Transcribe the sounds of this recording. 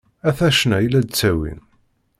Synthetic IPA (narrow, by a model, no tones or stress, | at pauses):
æθæʃnæjlːæd̪̚t͡sːæwḭn